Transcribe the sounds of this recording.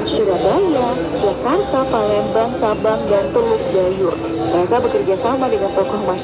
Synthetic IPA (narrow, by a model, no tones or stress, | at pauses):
suɾabala | d͡ʒakart̪apalɛmbaŋsabaŋdant̪əlʊk̚ɡajʊr | məɾekabəkərd͡ʒasamadəŋant̪ɔkɔhma